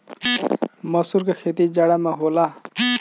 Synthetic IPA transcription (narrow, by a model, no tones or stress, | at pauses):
mʌsuɾkakʰet̪id͡ʒaɽamaɦola